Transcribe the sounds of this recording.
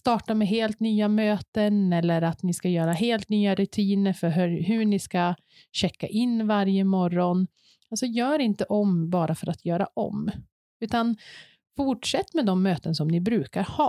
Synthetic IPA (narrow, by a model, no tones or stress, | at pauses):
st̪ɑːʈamɛɦeːlt̪nyːamøːt̪ənɛlːəɾat̪nɪskajœːɾaɦeːlt̪nyːaɾɵt̪ʰiːnəɾfœɾɦɦɵɳɪska | ɕɛkːa̰ʔɪnːvaɾjəmɔɾɔn | alsɔjœːɾɪnt̪əʔɔmbɑːɾafœɾat̪ʰjœːɾa̰ʔɔ̰m | ʉ̟ːt̪an | fʊʈʂɛt̪ːmɛd̪ɔmːøːt̪ənsɔmnɪbɾʉ̟ːkaɾhɑː